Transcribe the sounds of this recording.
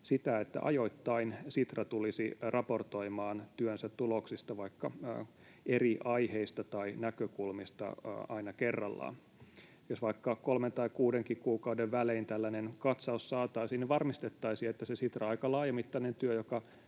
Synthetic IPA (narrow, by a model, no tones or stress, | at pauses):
sit̪æet̪ːæ̰ʔɑ̰joit̪ːɑinsit̪rɑt̪ulisirʔɑport̪oimɑːnt̪yønsæt̪tuloksist̪ɑʋɑikːɑ | eriʔɑiheist̪ɑt̪ɑinækøkulmist̪ɑ̰ɑinɑkerːɑ̰lːɑ̰ː | josʋɑikːɑkkolment̪ɑikuːdeŋkikuːkɑwdeʋʋæleint̪ælːænenkɑt̪sɑussɑːt̪ɑisiniʋɑrmist̪et̪ːɑisiet̪ːæsesit̪rɑɑikɑlɑːjemit̪ːɑinent̪yøjokɑ